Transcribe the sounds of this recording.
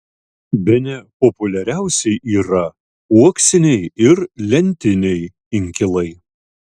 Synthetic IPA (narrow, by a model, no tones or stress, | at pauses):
bʲɛnʲɛpɔpʊlʲɛɾʲæˑʊsʲɛɪʔiːɾɐ | uɔksʲɪnʲɛɪɪɾlʲɛnʲt̪ʲɪnʲɛɪ | ɪŋʲkʲɪlˠɐɪ